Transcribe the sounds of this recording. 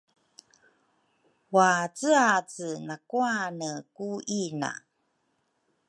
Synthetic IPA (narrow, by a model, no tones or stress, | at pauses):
wat͡sɨat͡sənakuanəkuina̰